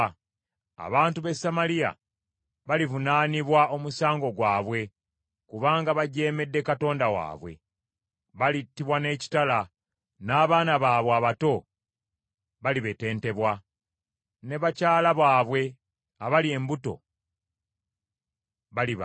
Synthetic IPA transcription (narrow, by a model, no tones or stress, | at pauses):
a̰βaːntuβe̞samalia̰ | βalivunaːniβwao̞musaːŋɡo̞ɡwaːβwe̞ | kuβaːŋɡaβaɟe̞ːme̞dːe̞kato̞ːndawa̰ːβwe̞̰ | βalitːiβwane̞ːci̥tala | naːβaːnaβaːβwaːβato̞ | βaliβe̞te̞ːnte̞βwa | ne̞βacaːlaβaːβwe̞ | aβalie̞mbuto̞̰ | βaliβ